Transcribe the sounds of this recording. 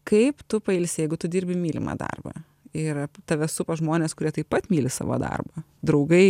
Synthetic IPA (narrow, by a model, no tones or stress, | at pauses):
kɐɪpt̪ʊpɐɪlʲsʲjɛɪɡʊt̪ʊd̪ʲiːɾʲbʲɪmʲiːlʲɪ̰mɐ̰ːd̪ɐ̰rbɐ̰ː | ɪrt̪ɐʋʲɛsʊpɐʒmoːnʲeːskʊɾʲiɛt̪ɐɪppɐt̪mʲiːlʲɪsɑ̰ːʋo̰ːd̪ɐ̰rbɐ | d̪ɾɐʊɡɐɪ